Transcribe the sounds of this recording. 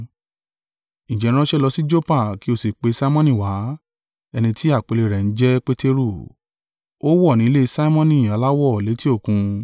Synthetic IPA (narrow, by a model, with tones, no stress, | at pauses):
nĩ˨d͡ʒɛ˨˦ɾ̃ʃɛ˦lɔ˧si˦d͡ʒo˦pa˦˨ki˦o˧˨si˨k͡pe˨˧sa˦i˦mɔ̃˦nĩ˦˨wa˨˦ | ɛ˧nĩ˧ti˦a˦˨k͡pe˨˧le˧˨ɾɛ˨n̩˦d͡ʒɛ˦k͡pe˦te˧ɾu˦˨ | o˦wɔ˦˨nĩ˨˦le˦˧sa˦i˦mɔ̃˦nĩ˦˨a˨˧la˦wɔ˦˨le˨˦ti˦o˦˨kũ˧